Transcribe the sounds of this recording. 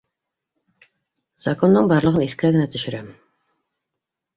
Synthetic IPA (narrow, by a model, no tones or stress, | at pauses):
z̥ako̞nd̪ɤɴbɑɾlˠɤʁɤniθkæɡɘ̆næt̪ʰɵ̆ʃɘ̆ɾæm